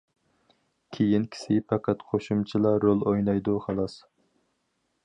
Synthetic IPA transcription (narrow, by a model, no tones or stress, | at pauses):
kʲʰejinkʲʰi̥sɪpʰɑqʰæt̪qʰoʃumt͡ʃʰilˠɑɾolˠojnɑjd̪uχɑlˠɑs